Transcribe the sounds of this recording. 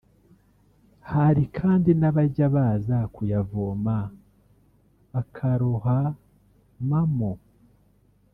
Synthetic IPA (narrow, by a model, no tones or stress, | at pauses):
haɾikʰaːndinaβaɾɟaβazakujavoːma | βakʰaɾoɦa | mamo